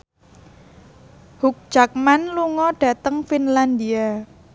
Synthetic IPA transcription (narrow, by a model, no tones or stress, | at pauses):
huk̚d̥ʒ̥a̤k̚manluŋɔɖ̥a̤t̪əŋfinland̪ia